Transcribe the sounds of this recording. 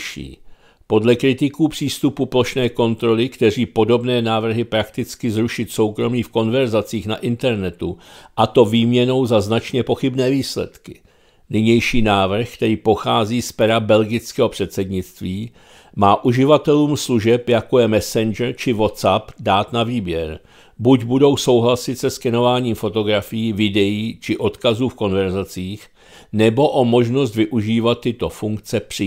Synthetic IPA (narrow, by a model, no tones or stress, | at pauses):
ʃḭː | po̞dlɛkɾɪt̪ɪkuːpr̝̥iːst̪upuplo̞ʃnɛːko̞nt̪ɾo̞lɪkt̪ɛr̝iːpo̞do̞bnɛːnaːvr̩ɦɪpɾakt̪ɪt͡skɪzɾuʃɪt̪so̞wkɾo̞miːfko̞nvɛɾzat͡siːxna̰ʔɪnt̪ɛɾnɛt̪uʔat̪o̞viːmɲɛno̞wzaznat͡ʃɲɛpo̞xɪbnɛːviːslɛ̰t̪kɪ̥ | nɪɲɛjʃiːnaːvr̩xkt̪ɛɾiːpo̞xaːziːspɛɾabɛlɡɪt͡skɛːɦo̞pr̝̥ɛt̪sɛdɲɪt͡st̪viː | maːʔuʒɪvat̪ɛluːmsluʒɛpjako̞jɛmɛsɛnʒɾt͡ʃɪvo̞t̪sapdaːt̪naviːbjɛɾ | buɟbudo̞wso̞wɦlasɪt̪sɛskɛno̞vaːɲiːmfo̞t̪o̞ɡɾafɪjiːvɪdɛjiːt͡ʃɪʔo̞t̪kazuːfko̞nvɛɾzat͡siːx | nɛbo̞ʔo̞mo̞ʒno̞s̬t̪vɪʔuʒiːvat̪ːɪt̪o̞fuŋk̚t͡sɛpr̝̥ɪ